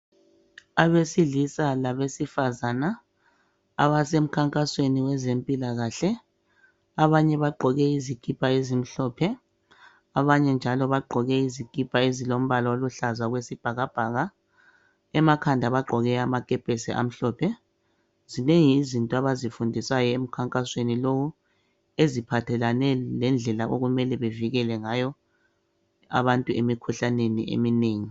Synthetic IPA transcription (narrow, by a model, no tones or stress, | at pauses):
aβesiɮisalaβesifazana | a̰βasem̩kʰaŋkʼasweniwɛzempʼilaɣaɬɛ | aβaɲɛβaɡ͡ǃʱɔɣɛizikʼipʰʼaezim̩ɬɔːpʰɛ | aβaɲɛnd͡ʒʱalɔβaɡ͡ǃʱɔɣɛizikʼipʰaezilom̩βalɔoluɬazaɣwesib̥ʱaɣab̥ʱaːɣa | ɛmakʰandʱaβaɡ͡ǃʱɔɣɛamakʼɛpʼɛsɛʔa̰m̩ɬɔːpʰɛ | zineŋiːzintʼɔaβazifundʱisajɔem̩kʰaŋkʼaswenilowu | ezipʰatʰɛlanɛlɛnd͡ɮʱɛlaʔoɣumɛlɛβeviɣɛlɛŋajɔ | a̰βantʼuemikʰuɬanenḭḛmineːŋi